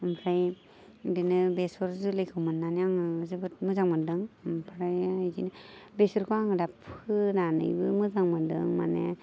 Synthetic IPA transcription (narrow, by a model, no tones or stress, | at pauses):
ɯmpʰɾaj | dinɯbesɔɾzulɯjkʰɯwmɯnːaniaŋɯzɯbɯt̚mɯzaŋmadɯŋmpʰɾajzḭnɯbesɔɾkʰuaŋɯdapʰɯnanɯ̰jbɯmɯzaŋmadɯ̰ŋma̰ne